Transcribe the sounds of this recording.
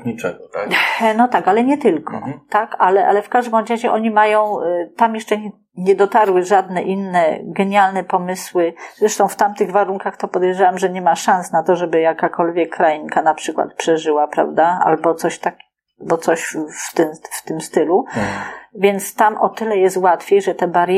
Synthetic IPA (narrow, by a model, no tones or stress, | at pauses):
ɲit͡ʂɛɡɔnɔt̪akalɛɲɛt̪ɘlkʰɔ̰t̪akalɛʔa̰lɛfkaʐd̪ɪmɔd͡ʑaʑɛʔɔɲimajɔ̃w̃t̪amjɛʂt͡ʂɛ | ɲɛd̪ɔt̪aɾwɘʐad̪nɛʔinːɛɡɛɲalnɛpɔmɘswɘzɾɛʂt̪ɔ̃w̃ft̪amt̪ɘɣvaɾuŋkaxt̪ɔpɔd̪ɛjʐawamʐɛɲɛmaʂãñsnat̪ɔʐɛbɘjakakʰɔlvʲjɛkːɾajiŋkanapʂɘkwa̰t̪̚pʂɛʐɘwapɾa̰vd̪aa̰lbɔt̪sɔɕt̪ak | bɔt̪sɔɕft̪ɘmft̪ɘmst̪ɘlu | vʲjɛnt̪st̪amʔɔt̪ɘlɛjɛst̪wat̪fʲjejʐɛt̪ɛbaɾ